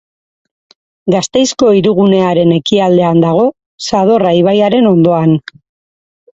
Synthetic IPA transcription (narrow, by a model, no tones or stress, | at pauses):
ɡast̪e̞jsko̞iɾuɣune̞aɾe̞ne̞kiald̪e̞and̪aɣ̞o̞ | sað̞o̞raiβajaɾe̞no̞nd̪o̞an